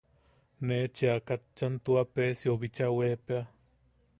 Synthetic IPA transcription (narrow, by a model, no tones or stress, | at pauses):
neːt͡ʃiakat͡ʃant̪uapeːsioβit͡ʃaweːpea